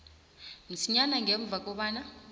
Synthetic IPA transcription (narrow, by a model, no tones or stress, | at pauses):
m̩siɲanaŋʱeɱb̪vʱak̬ɔɓaːna